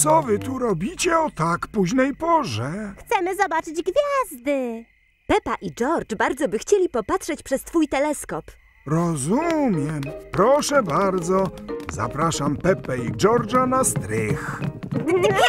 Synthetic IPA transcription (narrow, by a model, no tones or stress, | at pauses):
t̪sɔvɘt̪uɾɔbʲit͡ɕɛɔt̪akpuʑnɛjpɔʐɛxt̪sɛmɘzɔbat͡ʂɘd͡ʑɡvʲjazd̪ɘ | pɛpaʔid͡ʐɔɾt͡ʂbaɾd̪zɔbɘxt͡ɕelʲipɔpatʂɛt͡ɕpʂɛst̪fujt̪ɛlɛskɔp | ɾɔzumʲjɛmpɾɔʂɛbaɾd̪zɔza̰pɾaʂampɛpɛid͡ʐɔɾd͡ʐanast̪ɾɪx